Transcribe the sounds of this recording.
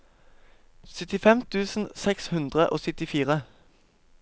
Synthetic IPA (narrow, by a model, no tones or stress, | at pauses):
sʏt̪ɪfɛmt̪ʰʉːsn̩sɛkshʉnd̪ʁəʔo̰ːsʏt̪ɪfiːʁə